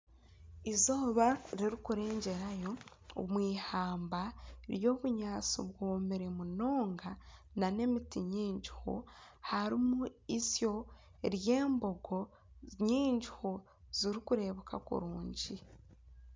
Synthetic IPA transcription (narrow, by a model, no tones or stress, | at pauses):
izoːβaɾiɾikuɾe̞ːɲɟe̞ɾajo̞ | o̰mwiːhaːmbaɾjo̞ːβuɲaːt͡sṵβwoːmeɾemuno̞ːŋɡa | nane̞mitiɲiːɲɟuho̰haɾimuisjo̞ | ɾje̞ːmbo̞ɡo̞ | ɲiːɲɟiho | z̥iɾikuɾe̞βoka̰kṵɾuːɲɟi